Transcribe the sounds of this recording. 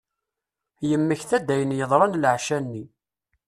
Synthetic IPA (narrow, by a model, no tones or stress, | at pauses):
jəmːəçθæd̪æjənjəðˤɾˤɑnlʕʃænːi